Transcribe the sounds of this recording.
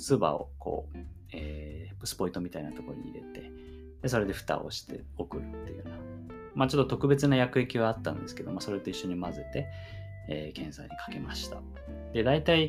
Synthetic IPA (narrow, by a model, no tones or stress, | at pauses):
sɨba̰o̞̰ko̞̰ː | eːpːɯ̟̥sɨ̥po̞it̪o̞mʲit̪ainat̪o̞ko̞ɾoɲ̟ḭɾe̞̰t̪e̞ | d̪̥eso̞ɾe̞d̪e̞ɸɯ̥t̪a̰oɕi̥t̪e̞̰ | o̞kɯ̟ɾɯ̟t̪ːejɯ̟ːna | mat͡ɕo̞t̪ːot̪o̞kɯ̟be̞t͡sɨnajakɯ̟e̞kʲiβaːt̪ːã̰nd̪e̞sɨ̥ke̞d̪o̞maso̞ɾe̞t̪o̞iɕːo̞ɲ̟imazɨt̪e̞ | eːkʰẽ̞ɰ̃sa̰iɲ̟ikʰḁke̞maɕi̥t̪a | d̪e̞d̪ait̪ai